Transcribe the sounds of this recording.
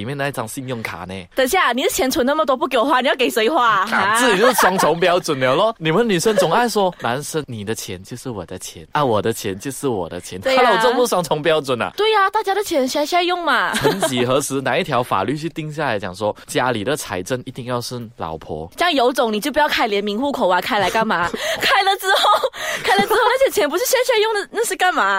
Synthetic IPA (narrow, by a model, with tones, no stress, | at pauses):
i˨mjɛ˥˧na˥˩ɪʈ͡ʂɑ˨˩ŋɕi˥˧njʊ˥˩ŋkʰa̰˨˩ne˨˩t̪ə˨˩ŋɕ̬ja˥˩ni˨˩d̪ə˦t͡ɕʰjɛ˧˥nt͡sʰwə˧˥na˥˩mə˨t̪̬wɔ˥p̬u˥˩k̬jo˨˩xwa˥˩ni˨˩jɑ˥˩ke˨˩ɪswe˧˥ɪxwa˥˩˧t͡sɹ̩˥˩t͡ɕi˨˩jo˥˩sɑ˥ŋt͡sʰʊ˧˥ŋpjɑ˥ʊt͡swə˨˩nnje˨˩lɔ˥˩ni˨˩mə˦nny˨˩ʂə˥nt͡sʊ˨˩ŋa˥˩ɪʂwɔ˥na˧˥nʂə˥nni˨˩d̪ə˦t͡ɕʰjɛ˧˥nt͡ɕjo˥˧ʊʂɻ̩˥˩wɔ̰˨˩d̪ə˦t͡ɕʰjɛ̰˧˥˦nə˧wɔ˨˩d̪ə˦t͡ɕʰjɛ˧˥nt͡ɕjo˥˧ʊʂɻ̩˥˩wɔ̰˨˩d̪ə̰˦t͡ɕʰjɛ˧˥˦n˥a˥˧ɔ˨t͡sə˥˧pu˥˩swɑ˥ŋt͡sʰʊ˧˥ŋpjɑ˥ʊt͡swə˨˩nɐ̰˨˩t̪we˥˩ɪɐ˨t̪a˥˩t͡ɕja˥ɾə˨t͡ɕʰjɛ˧˥nɕɕa˥˧jʊ˥˩ŋma˨˩xə˦nt͡ɕi˨˩xɤ˧˥t͡sʰɻ̩˧˥na˨˦i˥˩t̪ʰjɑ˧˥ʊfa̰˨˩ly˥˧t͡ɕʰy˥˧˩t̪i˥ŋɕja˥˩la˧˥ɪt͡ɕjɑ˨˩ŋswɔ˥t͡ɕja˧li˨˩d̪ə˦t͡sʰa̰˧˥ɪʈ͡ʂə˥˧ni˧˥t̪i˥˧ŋjɑ˥˧ʊʂ̩˥˩lɑ̰˨˩˥ʊpʰɔ̰˧˥ɕjɑ˥˧ŋjo˧˥ʊt͡sʊ˨˩˦ŋni˨˩t͡ɕjp̬u˧jʊa˥˩ɪljɛ˧˥nmi˧˥ŋxu˥˩kʰo˨˩ʊa˧˥˩kʰa˥ɪla˧˥ɪka˥˩nma˨˩˦kʰa˥˩ɪlə˨t͡sɹ̩˥xo˥˩ʊkʰa˥ɪlə˨˩t͡sɹ̩˥xo˥ʊna˥˩jɛ˨˩t͡ɕʰjɛ˧˥np̬u˧˥ʂɻ̩˥˩ɕja˥ɕ̬ja˥˧jʊ˥˩ŋd̪ə˩na˥˧ʂɻ̩˥˧ka˥˩nma˨˩